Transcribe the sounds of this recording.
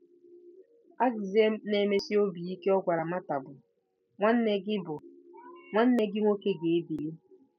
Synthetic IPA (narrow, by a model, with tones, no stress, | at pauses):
a˦ɡze˦m˦ne˨me˦sɪ˦o˦bi˨i˦ke˦ɔ˦ɡʷa˨ɾa˨ma˦ta˨bʊ˨ | ŋʷa˦n̩˦ne˦ɡɪ˦bʊ˨ŋʷa˦n̩˦ne˦ɡɪ˦ŋʷo˦ke˦ɡe˨e˦bi˨li˦